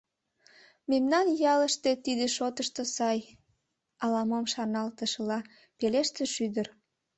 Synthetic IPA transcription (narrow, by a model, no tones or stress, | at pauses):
memnɑnjɑləʃt̪e̽t̪id̪eʃot̪əʃt̪osɑj | ɑlɑmomʃɑnɑlt̪əʃəlɑ | peleʃt̪eʃyd̪ər